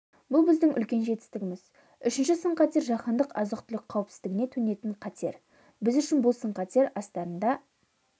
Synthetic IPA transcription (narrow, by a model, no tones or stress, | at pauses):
bʊlˠbɪzd̪ɪŋʏ̰lkʲe̞nʒe̞t̪ɪ̥st̪ɪɡʲɪmɪz | ʏʃɪnʃɪsəɴqʰɑt̪e̞ɾʒɑqɑnd̪əqɑzəqt̪ʰʏlɪk̚qʰːɑwɪpsɪ̥zɪɡɪne̞t̪ʰɵne̞t̪ɪɴqʰɑt̪ʰe̞̰ɾ | bɪzʏʃɪnbʊlˠsəɴqʰɑt̪e̞ɾɑst̪ɑɾənd̪ɑ